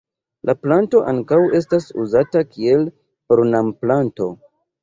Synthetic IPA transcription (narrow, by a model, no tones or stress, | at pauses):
lʔaplanto̞ʔaŋkawe̞s̬tasṵzatakie̞l | ɾunamplanto̞